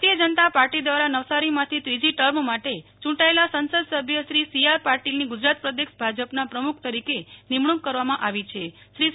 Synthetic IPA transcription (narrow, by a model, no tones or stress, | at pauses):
t̪ijəd͡ʒənət̪apaɾʈid̪ʋaɾanəʋsaɾimãt̪ʰit̪ɾid͡ʒiʈəɾmmaʈet͡ʃũɳʈaelasənsəd̪səbʱjəʃɾisijaɾpaɾʈilniɡud͡ʒɾat̪̚pɾəd̪ekʃbʱad͡ʒəpnapɾəmukʰt̪əɾikenimɳukːəɾʋamãʔaʋit͡ʃʰe | ʃɾi